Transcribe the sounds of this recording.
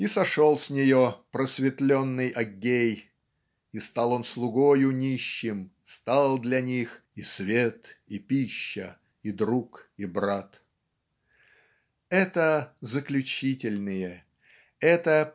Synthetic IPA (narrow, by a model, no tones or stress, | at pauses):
isɐʂolˠsʲnʲɪjopɾəsvʲɪt̪lʲonːɨjʔɐɡʲːej | ist̪alˠo̞nslˠʊɡojʊnʲiɕːɪmst̪alˠd̪lʲɐnʲixisvʲet̪ipʲiɕːə | id̪ɾukibɾat̪ | ɛt̪əzəklʲʉt͡ɕitʲɪlʲnɨjə | ɛt̪ə